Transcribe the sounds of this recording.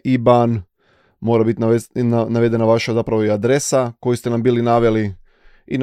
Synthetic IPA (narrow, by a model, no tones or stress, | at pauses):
iban | mo̞ːɾabit̪ʲnaʋe̞d̪e̞naʋaʃazapɾaʋoiad̪ɾe̞sako̞jist̪e̞nambiːlinaʋe̞li | in